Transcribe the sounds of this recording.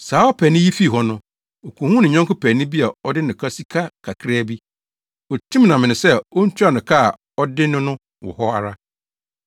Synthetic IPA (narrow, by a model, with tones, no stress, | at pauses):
saː˨˦ɔ˦pʰɛː˨nɪ̃˦ji˦fi˦˨ɦɔ˨nʊ̃˦ | o˨kʰũ˨hũ˦nɪ̃˨ɲã˦ŋkʊ˦pʰɛ˨nɪ̃˦bi˦a˨ɔ˦dɪ˦nɪ̃˨kʰa˦si˦kʰa˦kʰa˨kʰɾa˦˨bi˦ | ɔ˨tʰĩ˦m˦nã˨mɪ̃˨nɪ̃˨sɛ˦o˦n̩˦t͡ɕʰu˦a˨nʊ̃˨kʰa˦˨ | ɔ˦dɪ˦nʊ̃˦nʊ̃˦ | wɔ̰˨hɔ˦a˨ɾa˦